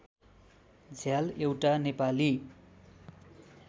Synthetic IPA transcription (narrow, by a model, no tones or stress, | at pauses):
d͡zʱjalewʈanepali